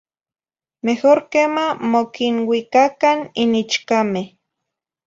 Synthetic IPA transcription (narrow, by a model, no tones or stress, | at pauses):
mehoɾkemamokinwikakaninit͡ʃkame